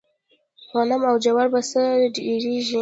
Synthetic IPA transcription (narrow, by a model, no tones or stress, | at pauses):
xanamawd͡ʒawaɾbasəɖiɾiʒi